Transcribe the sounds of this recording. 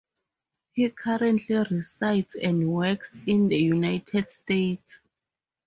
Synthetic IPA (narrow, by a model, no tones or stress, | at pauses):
hikʰaɹɛ̃ntʰlirisajtsɛ̃ndwɛksĩnd̪əjunajtʰɛdstets